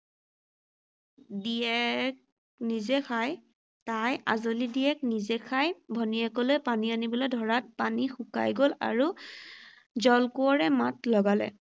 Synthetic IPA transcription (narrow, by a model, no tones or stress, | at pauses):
diɛk | nizɛxʰaj | tajʔa̰zolidiɛk̚nizɛkʰajbʱɔniakɔlojpanianibɔlɔjdʱɔɹat̚panixʊka̰jɡola̰ɹu | zɔlkuɔɹɛmatlɔɡalɛ̰